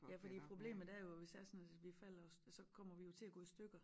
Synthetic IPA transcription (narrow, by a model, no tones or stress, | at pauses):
jæfɒd̥ḭːpʰʁo̝b̥le̝̰ːməð̩ˠd̥æɐjo̝ʋe̝sd̥æɐsɒnæʋifæl̰ɐssɒ̽kʰɒ̽m̰ɐʋijo̝t͡sʰe̝æɡ̥ɔ̰̽ːisd̥øɡ̥ɐ